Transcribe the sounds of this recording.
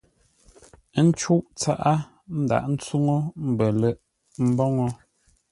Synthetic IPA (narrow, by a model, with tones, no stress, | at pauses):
n̩˦t͡ʃu˦ʔt͡sa˦ʔa˦ | n̩˦da̰˨ʔn̩˦t͡su˦ŋo˦m̩˨bə˨lɛ˦˨ʔ | m̩˦bɔ˦ŋɔ˦